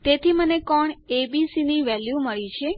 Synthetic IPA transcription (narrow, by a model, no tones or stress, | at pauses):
t̪et̪ʰimənekɔɳebisiniʋɛljuməɭit͡ʃʰe